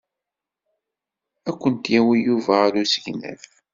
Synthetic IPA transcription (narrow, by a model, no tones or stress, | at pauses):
ækʷːənt̪jæwijuvæɾusəʝnæ̰θ